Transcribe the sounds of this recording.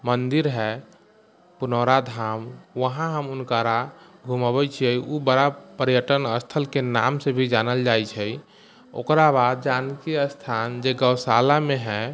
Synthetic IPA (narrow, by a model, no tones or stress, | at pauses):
mənd̪iɾɦɛ | punɔɾad̪ʱamʋəɦãɦəmunkəɾaɡʱuməbɛt͡ʃʰiɛubəɾapəɾjəʈənəst̪ʰəlkena̰msebʱid͡ʒanəld͡ʒajt͡ʃʰɛj | o̰kɾabad̪̚d͡ʒankiəst̪ʰand͡ʒeɡəwsalameɦɛ̃